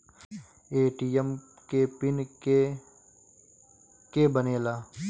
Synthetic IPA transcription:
eːʈijəm | kepɪne | kebəneːlaː

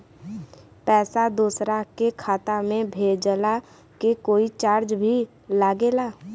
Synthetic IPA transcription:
pɛːsad̪uːsɾakekʰaːt̪amẽbʱeːd͡ʒla | kekoːit͡ʃaːɾd͡ʒbʱi | laːɡeːlaː

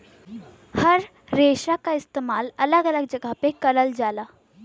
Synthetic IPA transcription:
həɾ | ɾeʃakaist̪emaːlələɡələɡ̚d͡ʑəɡʱapekəɾəld͡ʒala

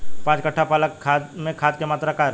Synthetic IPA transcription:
pãːt͡ʃkəʈʰːapaːləkʰːaːd̪mẽkʰaːd̪kemaːt̪ɾakaːɾ

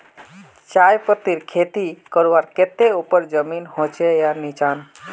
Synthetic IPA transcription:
t͡ʃajpət̪iɾkʰet̪ikəɾʋaɾket̪eupəɾd͡ʒəminhõt͡ʃejanit͡ʃaːn

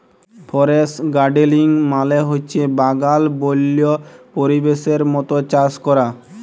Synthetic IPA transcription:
pʰɔɾesɡaɖeliŋmaleɦot͡ɕʰebaɡalbolːiopoɾibeʃeɾmɔt̪ot͡ɕaskɔɾa

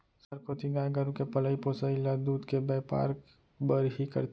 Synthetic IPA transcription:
səɾkoːt̪iɡaːɡəɾũkepɐləipoːsaɪlad̪uːd̪kebɛːpa̰ːɾk | bəɾɦikɐ̰ɾ

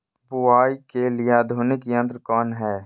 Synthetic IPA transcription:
bʊaːikelɪad̪ʱuːnɪkiə̃nt̪ɾkɔːnɦɛː

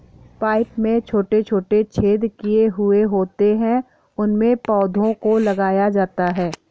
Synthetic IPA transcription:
paːɪpmẽt͡ʃʰoːʈet͡ʃʰoːʈet͡ʃʰeːd̪kijeɦʊeɦoːt̪eɦɛ̃ | ʊnmẽpɔːd̪ʱõkolɐɡaːjad͡ʒaːt̪aɦɛː

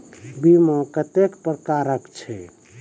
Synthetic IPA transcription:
bimõkət̪ekpɾəkaɾəkt͡ʃʰɛ

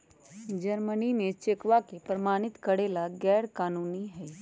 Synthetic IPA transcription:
d͡ʒəɾməninet͡ʃekʋakepɾəmaːñɪt̪kəɽeːlaɡɛːɽkaːnuːniɦɛ

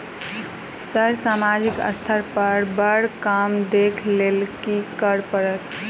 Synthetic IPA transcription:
səɾsamad͡ʒikə̰st̪ʰəɾpəɾbəɽkamd̪ekʰlelkikəɾpəɾət̪

